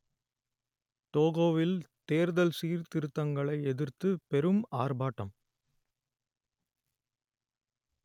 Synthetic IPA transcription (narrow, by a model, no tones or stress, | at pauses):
t̪oːɣoːʋɪlt̪eːɾðɐlsiːɾt̪ɪɾɯt̪ːɐŋɡɐɭɐɪɛðɪɾt̪ɯpɛɾɯmaːrbaːʈːɐm